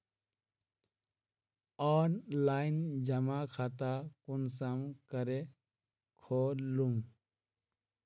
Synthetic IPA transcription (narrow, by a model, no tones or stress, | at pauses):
ɔːnlaːind͡ʒəmakʰat̪akuns̬əmkəɾe | kʰoːlum